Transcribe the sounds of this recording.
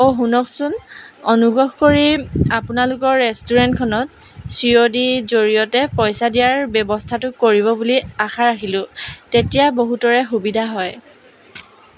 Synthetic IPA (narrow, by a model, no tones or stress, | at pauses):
oɦunɔksunɔnuɡɹɔɦkoɹiapunalʊkɔɹːɛstuɹɛntkʰɔnɔt̚ | sɹiodizoɹijɔtɛpɔjsadijaɹbɛbɔstʰatʊkoɹibɔbuliaxaɹakilʊ̃tetijaboɦutɔɹɛxubidʱaɦɔj